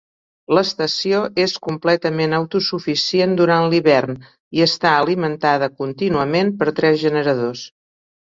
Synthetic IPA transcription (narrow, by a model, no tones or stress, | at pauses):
ləst̪əsioʔeskumplɛt̪əmenəwt̪usufisiend̪uɾanliβɛrn | iəst̪aəlimənt̪aðəkunt̪inuəmenpəɾt̪ɾɛzʒənəɾəðos